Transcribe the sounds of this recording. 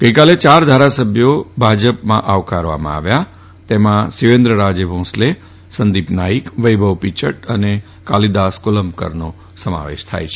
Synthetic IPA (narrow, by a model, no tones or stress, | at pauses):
ɡ̥əikalet͡ʃaɾd̪ʱaɾasəbʱjobʱad͡ʒəpmã̰ʔaʋkaɾʋa̰mã̰a̰ʋja | t̪emãsiʋend̪ɾəɾad͡ʒebʱõsle | sənd̪ipnaikʋəjbʱəʋpit͡ʃəʈəne | kalid̪askoləmkə̰ɾno | səma̰ʋḛʃt̪ʰa̰jt͡ʃʰe